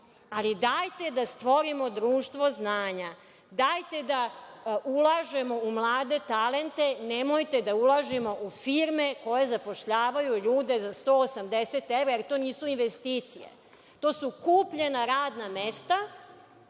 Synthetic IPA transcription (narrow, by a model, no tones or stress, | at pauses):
alid̪ajt̪e̞d̪ast̪ʋo̞ɾimo̞d̪ɾuːʃt̪ʋo̞znaːɲa | d̪aːjt̪e̞d̪aulˠaʒe̞mo̞umlˠaːd̪e̞t̪ale̞nt̪e̞nemojt̪e̞d̪aulaʒimo̞ʔufiɾme̞ko̞je̞zapo̞ʃʎaːʋajuʎuːd̪e̞zast̪o̞ːosamd̪eset̪evɾajeɾt̪o̞ːniːsuinʋest̪iːt̪sijḛ | t̪o̞ːsukuːpʎe̞naɾaːd̪namest̪a